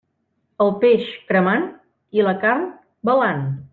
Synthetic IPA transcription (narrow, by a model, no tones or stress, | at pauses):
əlˠpeʃkɾəman | iləkarn | bəlan